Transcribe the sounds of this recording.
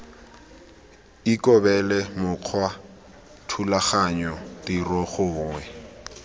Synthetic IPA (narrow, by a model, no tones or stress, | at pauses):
ikʼɔbɛlɛmʊq͡χʰwa | tʰulaχaɲɔdirɔχʊːŋwɛ